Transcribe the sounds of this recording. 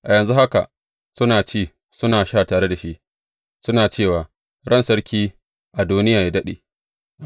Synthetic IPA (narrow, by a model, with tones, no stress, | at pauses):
ʔa˨jɐ˨nzu˦ha˦ka̰˨ʔ | sʊ˦naː˨t͡ʃiː˦˨ | sʊ˦naː˨ʃaː˦˨taː˨ɽe˦da˨ʃi˦ʔ | sʊ˦naː˨t͡ʃeː˦˨waː˨ | ɽɐ˦˨nsɐ˦ɽkʲiː˦ | ʔa˨duː˦nɪ˦jaː˨ja˦dɐ˦ɗḛː˨